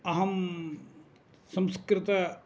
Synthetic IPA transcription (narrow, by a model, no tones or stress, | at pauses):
ɐɦɐm | sɐ̃mskɾɪt̪ɐ